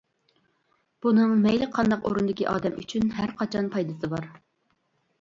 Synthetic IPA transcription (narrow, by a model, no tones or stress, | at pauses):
b̥unɨŋmɛjlɪqʰɑnd̪ɑqoɾund̪ɪkʲiʔɑ̰ːd̪ɛmy̰t͡ʃʰynɦæɾqʰɑt͡ʃʰɑnpʰɑjd̪ɨsɨbɑɾ